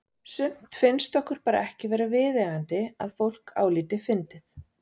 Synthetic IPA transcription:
sʏm̥t̪fɪnst̪ɔhkʏɾ̥paːɾa̰ɛhcɪvɛːɾavɪːðɛːɣant̪ɪa̰ðfowl̥ka̰ːwliːt̪ɪfɪnt̪ɪθ

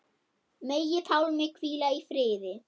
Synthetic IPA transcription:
meːjɪθʰawlmɪkʰviːlaifɾɪːðɪ

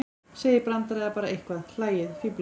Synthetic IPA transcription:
seːjɪɾpɾant̪aɾaðapaːɾaʔejhkvaðl̥aːjɪðfipl

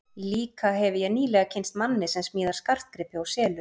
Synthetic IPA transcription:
liːkaɦɛvɪjɛɣniːlɛɣacʰenst̪manːɪsɛmsmiːðaɾ̥skar̥t̪̚kɾɪpːɪawsɛːlʏ

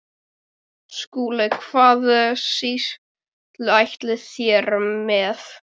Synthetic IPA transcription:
skuːlakʰv̥aːðɛsis | t̪lɪajht̪lɪθjɛːɾmɛθ

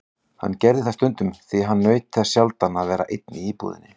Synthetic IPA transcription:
ha̰nːcɛɾðɪθast̪ʏnt̪ʏmθiɦanːœːɥt̪θɛsjalt̪anːaðvɛːɾa̰ʔejt̪̚nɪiːpṵːðɪ̰nːɪ

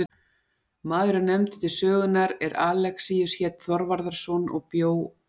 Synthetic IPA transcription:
maːðɾʏnɛmt̪ʏ̥t̪ʰɪlsœːɣʏnaɾɛɾaːlɛksijʏsçɛːt̪θɔɾvaɾðaɾ̥sɔnɔ̰ɣpjoːw

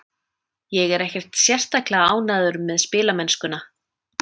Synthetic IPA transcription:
jɛɣɛɾɛhcɛr̥t̪sjɛr̥t̪aklaaaːwnaːðʏɾʏmːɛðspɪːlamɛnskʏna

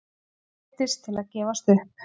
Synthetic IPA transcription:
t̪ɪst̪ʰɪlaðcɛːvast̪ʏhp

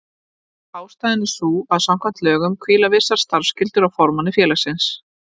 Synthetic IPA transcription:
aːwst̪ajðɪnːɪsuːaðsam̥kʰvamn̥t̪lœːɣʏmkʰviːlavɪ̥saɾ̥st̪aɾ̥fscɪlt̪ʏɾawfɔɾmanːɪfjɛːlasɪns

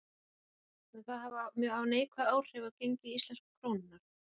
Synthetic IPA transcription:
ɛθaðhavmjœːawneːjkʰvaðaːw̥r̥ɛvaðcejɲcɪist̪lɛnskkʰɾoːwnɪnːaɾ̥

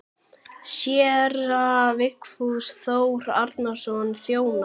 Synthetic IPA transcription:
sjɛɾavɪkfuðsθowɾa̰ɾt̪nasɔnːθjoːwna

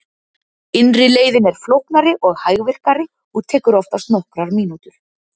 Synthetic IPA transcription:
ɪnrɪleːjðɪnɛɾ̥flowhknaɾɪʔɔɣhaːjɣvɪr̥kaɾɪ | ɔɣt̪ʰɛːkʏɾɔft̪ast̪nɔhkɾaɾmiːnut̪ʏɾ̥

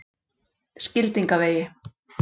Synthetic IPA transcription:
scɪlt̪iŋkaveːjɪ

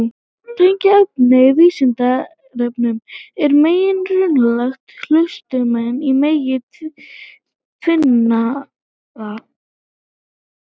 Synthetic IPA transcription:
t̪ajɲcaœp̚nɪviːsɪnt̪a | rɛpnʏmɛɾmeːjɪnrʏnlaxt̪hl̥œst̪ʏmɛnːimeːjɪt̪ | t̪ʰvɪnnːa | ða

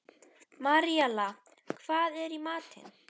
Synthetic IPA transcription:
maɾijala | kʰv̥aːðɛɾimaːt̪ɪ̰n

